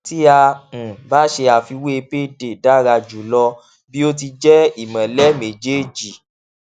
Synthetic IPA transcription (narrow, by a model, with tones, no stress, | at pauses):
ti˦ã˧˨ba˨˦ʃe˧a˨fi˧we˦e˧pe˦de˨da˦ɾa˧d͡ʒu˨lɔ˧ | bi˦o˦t̬i˧d͡ʒɛ˦i˦˨mã˨lɛ˦me˨d͡ʒe˦˨d͡ʒi˨